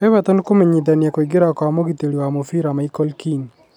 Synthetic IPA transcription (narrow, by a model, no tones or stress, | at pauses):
ɛβat̪ɔnkomeɲid̪anjɛkɔiɡɪɾakɔamoɡit̪eljoamofiɾamaikɔlkin